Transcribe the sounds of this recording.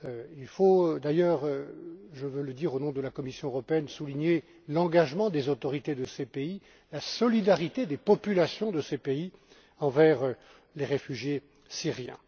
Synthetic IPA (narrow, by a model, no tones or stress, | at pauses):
øilfod̪ajœːʁ | ʒəvøləd̪iʁonɔ̃d̪əlakɔmisjɔ̃øʁɔpeɛnsuliɲe | lɑ̃ɡaʒmɑ̃d̪ezot̪ɔʁit̪ed̪əsepei | lasɔlid̪aʁit̪ed̪epɔpylasjɔ̃d̪əsepei | ɑ̃vɛʁ | leʁefyʒje | siʁjɛ̰̃